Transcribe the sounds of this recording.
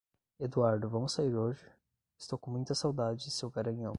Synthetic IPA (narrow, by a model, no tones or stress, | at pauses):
ed̪uaɾd̪ʊvɐ̃mʊsaiɾoʒɪ | ɪst̪owkõmũj̃t̪ɐsawd̪ad͡ʒɪɪsewɡaɾɐ̃ɲɐ̃w̃